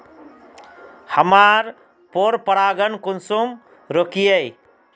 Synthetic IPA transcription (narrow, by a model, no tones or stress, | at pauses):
həmaɾ | poɾpəɾaːɡənkʊnsum | ɾokijəj